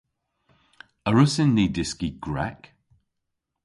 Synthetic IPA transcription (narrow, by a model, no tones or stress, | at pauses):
əɹʊsɪnːiːdɪskiɡ̥ɹɛ̰k